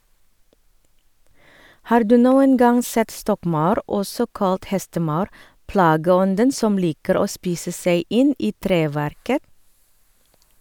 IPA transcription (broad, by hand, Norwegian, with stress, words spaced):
ˈhɑːɾ ˈdʉː ˈnuːən ˈɡɑŋ ˈsɛt ˈstɔkˌmɑʉɾ ˈɔsɔ ˈkɑlt ˈhɛstəˌmɑʉɾ ˈplɑːɡəˌɔndən ˈsɔm ˈliːkəɾ ˈoː ˈspiːsə ˈseɪ ˈɪn ˈiː ˈtɾeːˌʋæɾkə